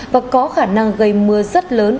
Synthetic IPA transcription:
vaː˨˩kɔ˨˦xaː˧˩na˧ŋɣə˧˩jmɨ˨˦əzə˦˥t̚ləː˨˦n

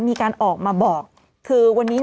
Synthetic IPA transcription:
miː˧kaː˧nʔɔː˨˩k̚maː˧bɔː˨˩k̚ʰː | ɯː˧wa˧nːiː˦˥n

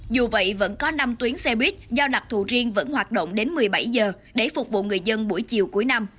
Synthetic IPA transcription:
zu˨˩və̰˧˨jvə̰˧˥nkɔ˨˦na˧mt̪wi˨˦ənsɛ˧ɓwi˦˥t̚zɔ˧ɗa˨˩k͡p̚t̪ʰṵ˧˨˩zi˧əŋvə̰˧˥nhwaː˨˩t̚ɗo̰˧˨ŋ͡mɗe˨˦nmɨ˨˩əjɓa˧˩jzəː˨˩ | ɗe˧˩fʊ˨˩k͡p̚vṵ˧˨ŋɨ˨˩əjzə˧nɓu˧˩əjt͡ɕi˨əwku˧˩əjna˧m

